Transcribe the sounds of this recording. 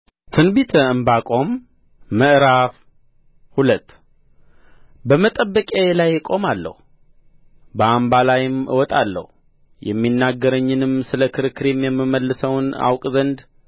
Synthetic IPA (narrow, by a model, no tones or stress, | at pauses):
t̪ʰɨnbit̪ʰəɨmbakʼo̞mː | əʔɾaf | hulət̪ː | bəmət̪ʼəbːəkʼelajːkʼo̞malːə̰hu | bəambalajɪmʔɨ̰wɔt̪ʼalːə̰hu | jɛ̰mːinːaɡːəɾəɲːɨnɨmsɨləkʰɨɾɨkʰːɨɾimjɛmːɨməlːɨsəwna̰wkʼzənd̪